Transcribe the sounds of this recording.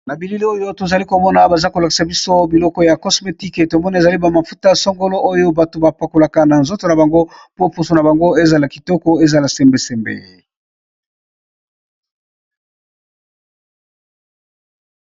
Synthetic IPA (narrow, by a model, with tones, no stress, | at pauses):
na˨bi˨li˦li˦o˦jo˦to˨za˨li˦ko˨mɔ˦na˦ba˨za˦ko˨la˨ki̥˨sa˨bi˦so˦bi˨lɔ˦kɔ˦ja˨kɔ˦sme˨ti˦ke˨to˨mɔ˦na˨e˨za˨li˦ba˨ma˨fu˦ta˦so˦ŋɡo˦lo˦ʔo˦jo˦ba˨to˨ba˨pa˨ko˨la˨ka˦na˨nzo˦to˨na˨ba˨ŋɡo˦po˦pu˦so˨na˨ba˨ŋɡo˦e˦za˨la˨ki̥˨tɔ˦kɔ˦e˦za˨la˨sɛ˨mbe˦sɛ˨mbḛ˨